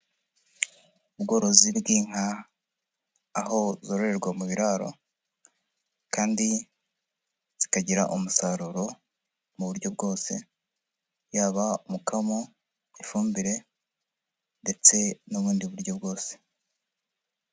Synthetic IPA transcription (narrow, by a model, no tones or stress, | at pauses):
ubɡo̞ɾo̞zibɡiːŋ̥a | ɦo̞zoɾoɾe̞ɾɡwamuβiɾaɾo̞̰ | kaːndi | z̥ikaɟiɾa̰ʔumusaɾuɾo̞ | muβuɾɟo̞b̚ɡo̞ːse̞ | jaːβaumukʰamo | ifuːmbiɾe̞ | nde̞t͡se̞nuβuːndiβuɾɟo̞bɡo̞ːse̥